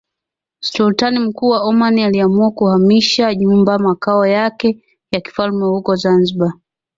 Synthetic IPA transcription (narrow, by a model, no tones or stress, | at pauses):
sultanim̩kuːwaɔmanialiamuakuhamiʃaɲumbamakaɔjakɛ | jaki̥falmɛhukɔzanziɓa